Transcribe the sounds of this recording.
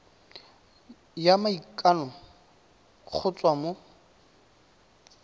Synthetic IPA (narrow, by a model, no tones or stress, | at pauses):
jamaikʼanɔ | k͡xʰʊt͡sʼwamo